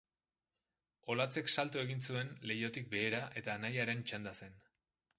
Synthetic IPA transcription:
o̞lat͡se̞ksalt̪ue̞ɣ̞insue̞nle̞jo̞t̪ik̚be̞ːɾaʔe̞t̪anajaɾe̞nt͡ʃand̪ase̞n

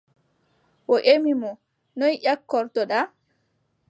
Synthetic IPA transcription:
ʔɔʔemimɔ | nɔjʔakːɔɾtɔɗa

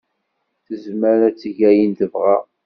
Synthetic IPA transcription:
θəzməɾæt͡sːəʝæjinθəvʁæ

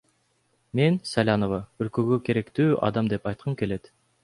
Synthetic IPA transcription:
mensælʲɑnovɑølkøɡøkʲʰeɾekt̪yːʔɑ̰d̪ɑmd̪epɑjt̪̚qʰɯmkʲʰeled̪

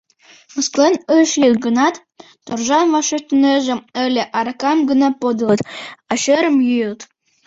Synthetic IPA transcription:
məsklenəʃlʲikɡənɑt̪ː | orʒɑnvɑʃet̪əneʒĕəlʲeʔɑɾkɑmɡənɑpod̪ɤlɤt̪ɑʃeɾə̆mjyjəlt̪

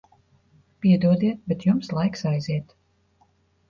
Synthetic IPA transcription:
pʲiɛd̪uɔd̪iɛt̪̚bʲɛt̪jumslˠajksajziɛt̪

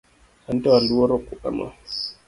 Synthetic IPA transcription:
antawanduwoɾokːuʔa̰ma̰

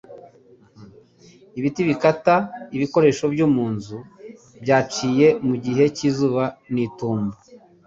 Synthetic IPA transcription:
iβitiβikataiβiko̞ɾe̞ːʃo̞bɟomuːnzu | bjaːt͡ʃiːje̞muɟiɦe̞cizuːβaniːtuːmbu

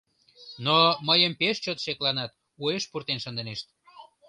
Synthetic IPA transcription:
noməjəmpeʃt͡ɕot̪ʃeklɑnɑt̪ | ueʃpurt̪enʃənd̪eneʃt̪̚

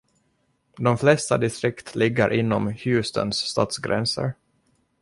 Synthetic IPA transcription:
d̪ɔmflɛst̪ad̪ɪst̪ɾɪkt̪ʰlɪɡːəɾʔɪnːɔmhʉ̟ːst̪ʰə̰nsːt̪ɑ̰ːt̪sɡɾɛ̰nsə̰ɾ

